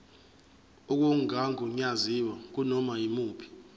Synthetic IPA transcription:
uk̬uŋɡʱaŋʱuɲaziwak̬unɔmaimuːpʰi̥

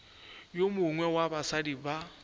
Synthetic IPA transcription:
jomʊŋwɛwabasadiba

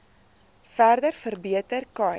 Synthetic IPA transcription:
færdərfərbiətərkɐ

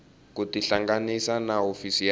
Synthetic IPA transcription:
kutiɬaŋɡanisanaofisi

